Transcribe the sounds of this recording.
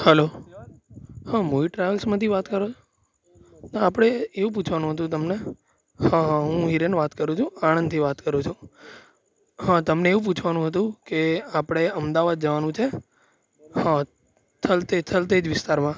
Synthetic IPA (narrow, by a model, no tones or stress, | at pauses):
həlo | hãmoiʈɾaʋəlsmãt̪ʰiʋat̪kəɾot͡ʃʰo | naapɽ̃eeʋũp̬ut͡ʃʰʋanũɦət̪̬ũt̪̬əmne | hãɦãɦũɦiɾenʋat̪kəɾũt͡ʃʰũaɽ̃ə̃nd̪t̪ʰiʋat̪kəɾũt͡ʃʰu | ɦãt̪əmneːʋũp̬ut͡ʃʰʋanũɦət̪ũkeapɽ̃eəmd̪aʋad̪̚d͡ʒəʋanũt͡ʃʰe | hã | t̪ʰəlt̪et̪ʰəlt̪̬ed͡ʒʋɪst̪aɾmã